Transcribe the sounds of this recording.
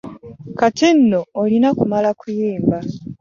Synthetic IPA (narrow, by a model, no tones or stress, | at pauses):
katin̩noːlinakumalakujiːmba